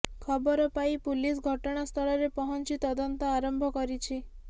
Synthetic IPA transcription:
kʰɔbɔɾɔpaipulis̬ɡʱɔʈɔɽ̃ast̪ʰɔɭɔɾepɔɦɔnt͡ʃit̪ɔd̪ɔnt̪ɔaɾɔmbʱɔkɔɾit͡ʃʰi

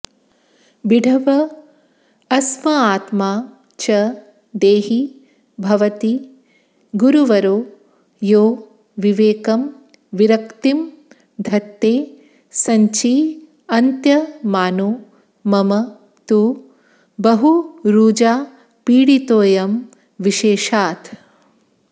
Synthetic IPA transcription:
biɖʱɐʋɐ | ɐsmɐaːt̪maː | t͡ʃɐ | d̪eːɦi | bʱɐʋɐt̪i | ɡuɾuʋɐɾoː | joː | ʋiʋeːkɐm | ʋiɾɐkt̪im | d̪ʱɐt̪ːeː | sɐɲt͡ʃi | ɐnt̪jɐmaːnu | mɐmɐ | t̪u | bɐɦuɾuːd͡ʒaː | piːɽit̪oːjɐm | ʋiʃeːʃaːt̪

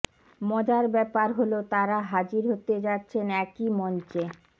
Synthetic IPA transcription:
mɔd͡ʑaɾbɛpaɾɦolot̪aɾaɦad͡ʑiɾɦot̪ed͡ʑatːɕʰenɛkimɔnt͡ɕe

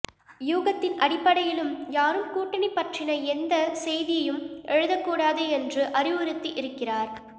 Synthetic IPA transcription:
juːɣɐt̪ːɪnɐɽɪpːɐɽɐjɪlɯmjaːɾɯmkuːʈːɪnɪpːɐʈrɪnɐɛnd̪ɐsɛjðɪjɐjɯmʔɛɻɯðɐkːuːɽaːðɯɛndrɯʔɐrɪʋɐɾɯt̪ːiʔɪɾɯkːɪraːɾ

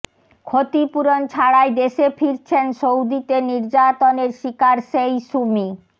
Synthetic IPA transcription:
kʰot̪ipuɾont͡ɕʰaɽaed̪eʃefʰiɾt͡ɕʰenʃowd̪it̪eniɾd͡ʑat̪oneɾʃikaɾʃejʃumi

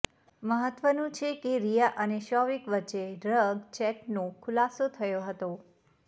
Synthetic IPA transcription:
məɦət̪ʋənũt͡ʃʰekeɾijaʔəneʃɔʋikʋətːt͡ʃːeɾəɡt͡ʃɛʈnokʰʊlasot̪ʰəjoɦət̪o

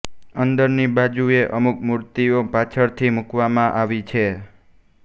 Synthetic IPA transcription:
ənd̪əɾnibad͡ʒueʔəmukmuɾt̪iopat͡ʃʰəɾt̪ʰimukʋamãʔaʋit͡ʃʰe

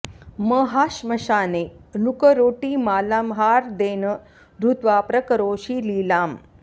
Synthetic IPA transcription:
məɦaʃmɐʃaːnenukəɾoːʈiːmaːlamɦaːɾd̪eːnə | ɾut̪ʋaːpɾəkəɾoːɕiːliːlaːm

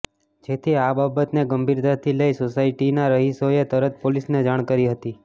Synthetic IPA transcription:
d͡ʒet̪ʰiababət̪neɡəmbʱiɾd̪at̪ʰiləisosaiʈinaɾəɦisoet̪əɾət̪polisned͡ʒaɽ̃kəɾiɦət̪i

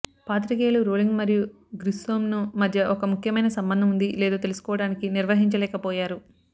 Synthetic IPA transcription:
paːt̪̬ɾikeːluɾoːliŋɡmɐɾiju | ɡɾisoːmnumɐd̪ʱjɐʔɔkɐmukʰjɐmɐjnɐsɐmbɐnd̪ʱɐmund̪ileːd̪oːt̪elusu̥kɔːʋɐɽaːnikiniɾʋɐɦiɲt͡ʃɐlɛːkɐpɔːjaːɾu

